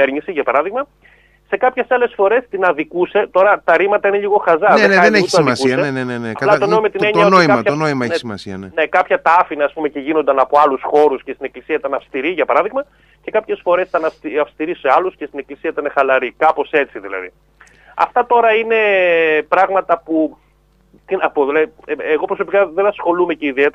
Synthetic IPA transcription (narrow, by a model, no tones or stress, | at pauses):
eɾɲisiʝɐpɐɾɐðiɣmɐ | se̞kɐpçe̞sɐle̞sfo̞ɾe̞st̪inɐðikuse̞t̪o̞ɾɐt̪ɐɾimɐt̪ɐine̞ʎiɣo̞xɐzɐeneɐeneuit̪ɐsmiɐsuseeneneneɐɐlɐtonoimɐt̪inneɲt̪ɐonoiɐɐtɐonoimɐesimɐsiɐnene̞kɐpçɐt̪ɐfinɐːspume̞ce̞ʝino̞nd̪ɐnɐpo̞ɐlusxo̞ɾusce̞st̪ine̞klisiɐit̪ɐnɐfst̪iɾiʝɐpɐɾɐðiɣmɐ | ce̞kɐpçe̞sfo̞ɾesit̪ɐnɐiɐfst̪iɾisseɐluscest̪ine̞klisiɐit̪ɐnexɐlɐɾikɐpo̞se̞t͡siðilɐ̰ðḭ | ɐ̰ft̪ɐt̪o̞ɾɐine̞pɾɐɣmɐt̪ɐpu | t̪inɐpoðilɐðieɣo̞pɾo̞so̞pikɐðenɐsxo̞lume̞ceiðiet̪eɾɐ